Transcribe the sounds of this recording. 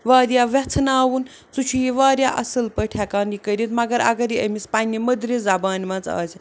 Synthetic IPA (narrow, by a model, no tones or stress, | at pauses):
ʋaːɾjaːʋɛt͡sʰnaːwun | t͡sut͡ʃʰujiʋaːɾʲjaːʔɐsɐlpəʈʰɛkaːnikəɾʲit̪mɐɡɐɾɐ̰ɡɐɾiə̰mispanʲːiməd̪ɾizɐbaːnmɐt͡sa̰ːsʰi